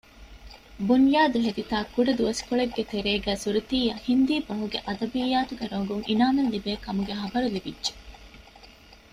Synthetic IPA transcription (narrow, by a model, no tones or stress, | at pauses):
bunjaːd̪uɦed̪it̪aːkuɖɐd̪uʋɐskuɭeɡːet̪eɾeːɡæːsuɾut̪iːjɐhind̪iːbɐɦuɡeʔɐd̪ɐbijːaːt̪uɡeɾoŋɡuŋʔinaːnɐnlːibeːkɐmuɡeɦɐbɐɾulibidːʒe̥